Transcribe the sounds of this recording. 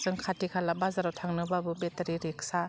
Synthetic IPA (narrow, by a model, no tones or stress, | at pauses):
zɯŋkʰatikʰalabazaɾawtʰaŋnɯbabɯbetaɾiɾik̚sa